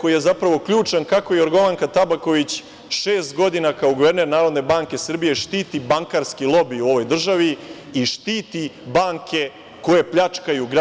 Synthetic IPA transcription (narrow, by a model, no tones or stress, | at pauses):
ko̞jijezapɾaʋo̞kʎʲuːt͡ʂankako̞joɾɡo̞ʋaŋkat̪abako̞ʋit͡ɕ | ʃe̞ːst̪ɡo̞d̪inakaoɡuʋe̞ɾne̞ɾnaːɾo̞d̪ne̞baːŋke̞sr̩bije̞ʃt̪iːt̪ibaŋkaɾskilˠo̞biuo̞ʋo̞jd̪r̩ʒaʋi | iʃt̪iːt̪ibaːŋkʰe̞ | ko̞je̞pʎat͡ʂkajuɡɾ